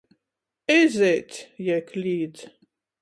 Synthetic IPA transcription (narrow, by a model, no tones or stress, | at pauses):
ɪzɛt̪ʰjɛkʰliːd̪